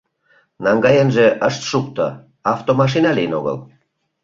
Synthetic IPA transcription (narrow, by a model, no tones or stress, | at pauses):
nɑŋɡɑjenʒeʔəʃt̪ʃuk̚t̪o̰ | ɑft̪omɑʃ̬inɑlijəno̰ɣə̰l